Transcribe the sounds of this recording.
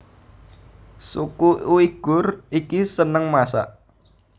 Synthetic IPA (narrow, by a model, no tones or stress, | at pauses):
sukuuiɡ̥ʊ̤rikisənəŋmasa̰ʔ